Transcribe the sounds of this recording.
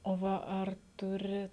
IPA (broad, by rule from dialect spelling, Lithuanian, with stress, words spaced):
oː ˈʋɐ ˈɐr ˈtʊrʲɪ